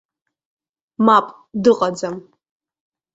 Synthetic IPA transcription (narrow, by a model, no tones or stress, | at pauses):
mapʼ | dɨqʼɐd͡zɐm